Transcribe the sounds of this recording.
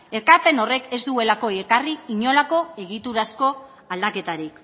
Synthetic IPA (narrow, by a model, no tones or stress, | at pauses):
e̞ɾkaɾpe̞no̞re̞ke̞zd̪ue̞lako̞ekariːɲo̞lako̞e̞ɣ̞it̪uɾasko̞ | ald̪ake̞t̪aɾik